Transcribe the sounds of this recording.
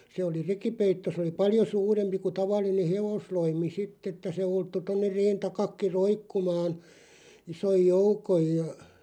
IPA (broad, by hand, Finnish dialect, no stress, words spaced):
se oli rekipeitːo sĕ oli pɑljo suːrempi ku tɑʋɑlˑine heʋosloimi sitː etːæ se ultːu tonːer reːn tɑkɑkːi roikːumɑːn isoj joukoj jɑ